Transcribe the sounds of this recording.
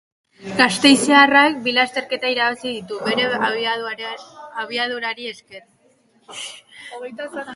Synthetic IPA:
ɡast̪e̞jsearak̚bilast̪e̞ɾke̞t̪aiɾaβasiðit̪uβe̞ɾe̞ | aβ̞iað̞uɾaɾie̞skeɾ | t̪

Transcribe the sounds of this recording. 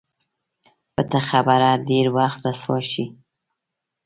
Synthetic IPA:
pət̪axabaɾɑɖeɾwaxt̪ɾaswaʃi

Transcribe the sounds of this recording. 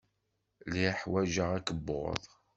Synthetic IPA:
liħwæʒəʁækəb̰ðˤ

